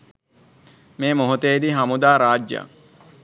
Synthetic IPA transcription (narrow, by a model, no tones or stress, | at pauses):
meːmoɦut̪eːd̪iɦamud̪aːɾaːd͡ʒja̰